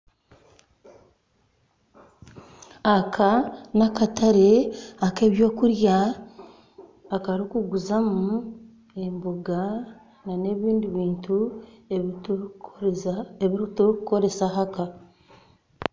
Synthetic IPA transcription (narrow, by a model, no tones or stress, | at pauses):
akʰanakataɾe̞ake̞ːβjo̞ːkuɾja | kaɾikuɡuzamu | emboɡa | nane̞βiːndiβiːntu | eβiɾitukuko̞ɾe̞saɦaka